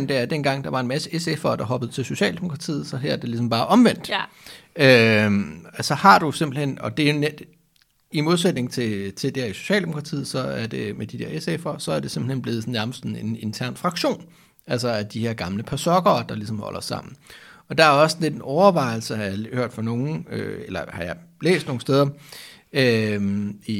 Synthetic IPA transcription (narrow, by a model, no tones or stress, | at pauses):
nd̥eæɐd̥en̰ɡ̥ɑ̈ŋ̰d̥ɑ̈ʋɑ̈e̝nmæsəesefɐːd̥ɑ̈ɦɒ̽b̥əð̩ˠt͡sʰe̝lso̝ɕɛ̰ːld̥emo̝kʰʁɑ̈t͡sʰḭːð̩ˠsɒ̽ɦæɐ̰ɐd̥e̝lis̬ɒ̽mb̥ɑ̈ːʔɒ̽mʋen̰d̥ | ø | æsɒ̽hɑ̈d̥use̝m̰b̥l̩hen̰ɒ̽d̥e̝æjoned̥ | imo̝ð̞ˠsed̥ne̝ŋt͡sʰe̝t͡sʰe̝ld̥æɐiso̝̥ɕɛ̰ːld̥emokʰʁɑ̈t͡sʰḭːð̩ˠsɒ̽æɐd̥e̝med̥id̥ɛɐesefɐsɒ̽æɐd̥e̝se̝mb̥l̩henb̥le̝ːð̞̩ˠsɒn̩næɐməssn̩ene̝nt͡sʰæɐ̰nfʁɑ̈ɡ̥ɕo̝̰ːn | ælsɐæɐd̥iheɐ̰ɡ̥ɑ̈mləpʰæsɒ̽ɡ̥ɐːd̥ɑ̈lisɒ̽mhɒ̽l̰ʔɐsɑ̈m̰n̩ɒ̽d̥ɑ̈æɐɒ̽snle̝d̥enɒʊɐʋɑ̈ɪ̰lsəhɑjɑhøɐ̰d̥fɑ̈no̝ːŋ̩ø̰elɐhɑ̈jɑ̈ɪlḛːsd̥no̝ŋ̩sd̥eːðˠɐ | ø | i